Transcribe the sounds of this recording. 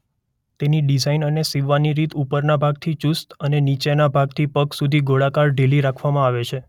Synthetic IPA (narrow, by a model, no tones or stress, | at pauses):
t̪eniɖizainənesiʋaniɾit̪upəɾnabʱaɡ̚t̪ʰit͡ʃust̪ənenit͡ʃenabʱaɡt̪ʰipəksud̪ʱiɡoɭakaɾɖeliɾakʰʋamãaʋet͡ʃʰe